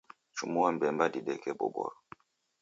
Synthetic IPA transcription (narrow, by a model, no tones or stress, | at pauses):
t͡ʃumuwam̩bɛmbadiɗɛkɛbɔ̰bɔ̰ɾɔ